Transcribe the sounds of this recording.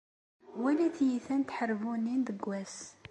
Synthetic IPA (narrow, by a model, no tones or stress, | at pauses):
wæliθjiθænt̪ħəɾvunːinðəɡʷːæs